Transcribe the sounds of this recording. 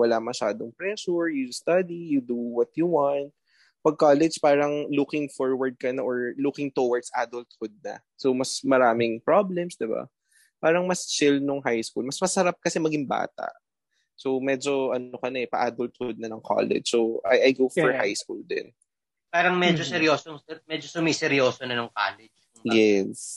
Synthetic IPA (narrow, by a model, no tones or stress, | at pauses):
wɐlamɐʃaːd̪oŋpɹɛʃʊɹjust̪ɐd̪ijʊd̪uwɔt̪̚juwant̪̚ | pɐɡ̚kaːlɛd͡ʒpaːɾɐŋlukɪŋfoɹwɐɹd̪̚kɐnaʔoɹlukɪŋt̪uwɐɹd̪̥sʔaːd̪ʊlt̪̚hʊd̪̚nɐ̰ | somɐsmɐɾaːmɪŋpɹablɛmsd̪ɪba̰ | paːɾɐŋmɐst͡ʃɪlnoŋɦajskulmɐsmɐsɐɾap̚kɐsɛmɐɡɪŋba̰ːt̪ɐ̰ʔ | somɛːd͡ʒoʔɐnokɐnɐɛpɐʔaːd̪ʊlt̪̚hʊd̪̚nɐnɐŋkʰo̰ːlɛ̰d͡ʒsowʔɐjʔɐjɡowfɔɹha̰jskuld̪ɛ̰n | paːɾɐŋmɛd͡ʒosɛɾjoːsomɛd͡ʒosʊmisɛɾjoːsonɐnʊŋka̰ːlɛd͡ʒʊŋjɛs